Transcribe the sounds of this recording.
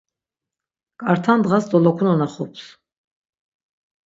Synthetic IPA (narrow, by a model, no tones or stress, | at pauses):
kʼaɾt̪ʰand̪ʁasd̪ɔlɔkʰunɔnaχɔpʰs